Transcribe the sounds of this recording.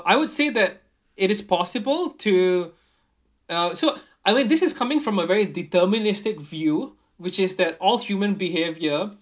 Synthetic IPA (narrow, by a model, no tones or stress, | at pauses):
ʔaɪwʊdseðɛt̚ | ɪɾɪspʰɔsɪbəlˠtʰu | ʌso | ʔaɪmĩnd̪ɪsɪskʰamɪ̃ŋfɹɔ̃məvɛɹiditəmɪnɪstɪkvju | wɪt͡ʃɪsðɛtɔlˠhjumə̃nbiɦevjə